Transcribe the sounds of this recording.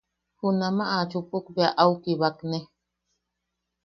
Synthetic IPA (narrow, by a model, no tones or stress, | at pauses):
hunãmãʔat͡ʃupʼukbeaʔawkiβakne